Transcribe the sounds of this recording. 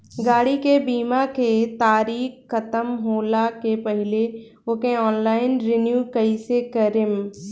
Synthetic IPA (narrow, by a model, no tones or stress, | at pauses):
ɡaːɽikebiːmaket̪aːɾiːkːɐt̪əmɦoːlakepɐɦɪle | okẽɔːnlaːɪnɾenjuːkɐisekɐɾɪm